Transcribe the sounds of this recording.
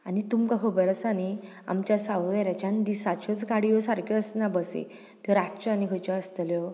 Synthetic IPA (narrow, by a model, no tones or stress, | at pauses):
anit̪umkakʰəbəɾəsani | a̰mt͡ɕjasawʋɛɾjat͡ɕand̪isat͡ɕʰɔt͡sɡaɽijɔsaɾkʰɔəsnabəsḛ | t̪jɔɾat͡ɕɔanikʰət͡ɕɔəst̪əljɔ